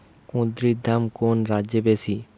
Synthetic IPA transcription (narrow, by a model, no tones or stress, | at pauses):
kõd̪ɾid̪ʱamkonɾadʑebesi